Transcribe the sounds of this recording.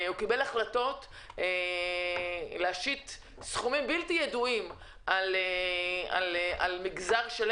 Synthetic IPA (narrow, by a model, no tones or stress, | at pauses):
hukibe̞laχlato̞t | e | leaʃit̪ | sχumimbiltijeduim | ʔalea̰la̰lmiɡzaʁʃel